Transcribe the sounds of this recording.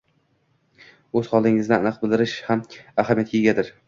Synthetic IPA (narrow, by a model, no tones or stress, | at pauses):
ɵz̥hɒlˠɪŋɪzd̪aanɨq̚bɪlˠd̪ɪɾɪʃhamahamijat̪̚kʲeɡʲad̪ɪɾ